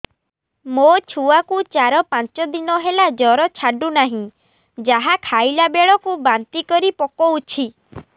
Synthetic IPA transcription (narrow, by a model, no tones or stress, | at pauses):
mot͡ʃʰuakut͡ʃaɾɔpant͡ʃɔd̪inɔɦelad͡ʒɔɾɔt͡ʃʰaɖunaɦĩ | d͡ʒaɦakʰajlabeɭɔkubant̪ikɔɾipɔkɔut͡ʃʰi